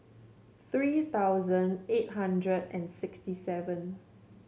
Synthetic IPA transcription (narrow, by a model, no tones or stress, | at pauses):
θɹiːt̪awzə̃net̚ɦãndɹədɛ̰̃nsɪkstisɛvə̃n